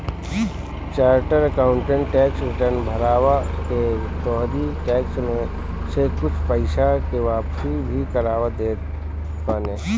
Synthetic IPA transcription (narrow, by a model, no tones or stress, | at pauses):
t͡ʃaːɾʈəɾəkaːʊ̃ɳʈẽɳʈːɛːksɾɪʈəɾnbʱɐɾaːʋake | t̪ɔːɦd̪iʈɛːksmẽ | sekʊt͡ʃʰpəɪʃakeʋaːpsibʱikəɾaːʋəd̪eː | kaːneː